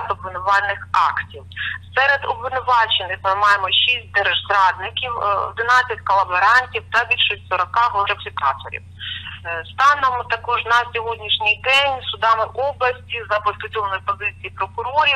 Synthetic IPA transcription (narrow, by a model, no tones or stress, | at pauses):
t̪ɔbʋɪnʊʋɑlʲnɪxɑ̰ktʲiwsɛɾed̪ɔbʋɪnʊʋɑt͡ʃenɪxmɪmɑjemɔʃisʲt̚ʲd̪ɛɾɐʒzɾɑd̪nɪkʲiwɔ̰d̪ɪnɑt͡sʲːɐtʲkɔlˠɐbeɾɑnʲtʲiwt̪ɐbʲilʲʃisʲtʲsɔɾɔkɑɦˠɔɾɐfʲikɑ̰t̪ɔ̰ɾʲḭw | st̪ɑnɔmt̪ɐkɔʒnɐsʲɔɦɔdʲnʲiʃnʲijd̪ɛnʲsʊd̪ɑmɪʔɔblˠɐsʲtʲizɐpɔsʲt̪ʊdʲɔlnɔjpɔzɪt͡sʲijipɾɔkʊɾɔɾʲi